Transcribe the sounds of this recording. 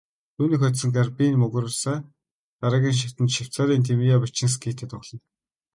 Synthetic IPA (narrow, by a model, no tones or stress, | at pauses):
t̪ʰuːniːkxɔt̪sə̆ŋɡarpinmɵɣ̆rə̆ɮsaː | ɢ̪aɾə̆ɣʲiːnʃ̬ḁt̪ə̆nt̪ʃaw̥t͡saːɾiːnt̪ʰemijapat͡ɕɪ̆ŋs̬kʰit̪ʰĕːt̪ʊɣɮɞ̆n